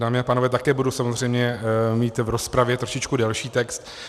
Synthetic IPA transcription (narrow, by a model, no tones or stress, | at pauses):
daːmɪapaːnovɛːt̪akɛːbudusamozr̝ɛjmɲɛmiːt̪vɾo̞spɾavjɛt̪ɾoʃɪt͡ʃkudɛlʃiːt̪ɛkst̪